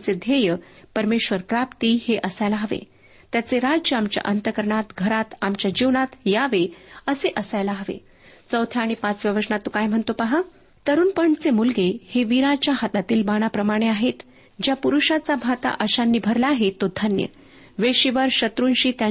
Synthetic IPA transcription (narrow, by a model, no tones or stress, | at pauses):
t͡sed̪ʱejəpəɾmeɕʋəɾpɾapt̪iheʔəsajlaɦəʋḛ | t̪jat͡seɾaəamt͡ɕja̰ʔənt̪əkəɾɳat̪ɡʱəɾat̪amt͡ɕjad͡ʑiʋɳat̪jaʋeəseʔəsajlaɦəʋḛ | t͡səwt̪ʰjaːɽ̃ipat͡sʋjaʋəsɳat̪ːukajm̤əɳt̪opaɦa | t̪əɾuːnpəɳt͡semulɡeheʋiɾat͡ɕjaɦat̪at̪iːlbaɽ̃apɾəmaɽ̃eaɦet̪ | d͡ʑjapuɾuɕat͡sabʱat̪a̰ʔəɕanːiːbʱəɾlaːɦet̪ːod̪ʱənjə̰ | ʋeɕiʋəɾɕət̪ɾuːnɕiːt̪ja